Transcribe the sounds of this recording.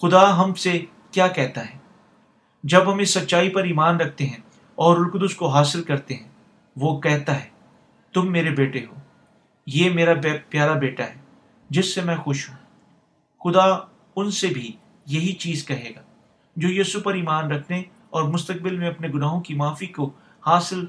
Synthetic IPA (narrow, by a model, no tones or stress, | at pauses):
xʊd̪aɦɐmse | kjaːkɛːɦt̪aɦɛː | d͡ʒɐbɦɐmɪsːɐt̪ːʃaːipɐɾiːmaːnɾɐk̚ʰt̪eɦɛ̃ | ɔːɾʊlkd̪ʊskoɦaːsɪlkɐɾt̪eɦɛ̃ː | ʋokɛɦt̪aɦɛː | t̪ʊmːeːɾebeːʈeɦoː | jeːmeːɾapjaːɾabeːʈaɦɛː | d͡ʒɪsːemɛ̃xʊʃɦũ | xʊd̪a | ʊnsebʱi | jɐɦit͡ʃiːzkɐɦeːɡaː | d͡ʒoːjiːsupɐɾiːmaːnɾɐkʰne | ɔːɾmʊst̪ək̚bɪlmẽɐpneɡʊnaːɦõkimaːfiko | haːsɪl